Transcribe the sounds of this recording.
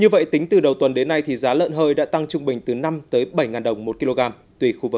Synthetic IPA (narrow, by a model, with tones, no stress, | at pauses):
ɲɨ˧və̰˧˨jt̪ï˨˦ŋ̟t̪ɨ˨˩ɗə˨˩wt̪wə˨˩nɗe˨˦nːa˧jt̪ʰi˨˩zaː˨˦lə̰ː˧˨nɦəː˧jɗa̰ː˧˥t̪a˧ŋt͡ɕʊ˧ŋ͡mɓï˨˩ŋ̟t̪ɨ˨˩na˧mt̪əː˨˦jɓə˧˩jŋaː˨˩nɗə˨˩wŋ͡mmo˨˩t̚ki˧lo˧ɣaː˧m | t̪wi˨˩xu˧vɨ˨˩˦